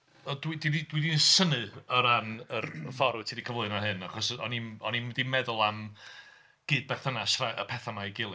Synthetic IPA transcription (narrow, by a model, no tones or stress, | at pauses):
ɔdwididid̥widinsənɨəɾanərfɔɾʊtʰidikʰəvlˠʊɨnaɦɨnaχɔsɔ̰ninɔnindimɛðʊlˠam | ɡ̥ɨːd̚bɛrθənaʃraʔə̰pʰɛθamaiɡɪlˠɨ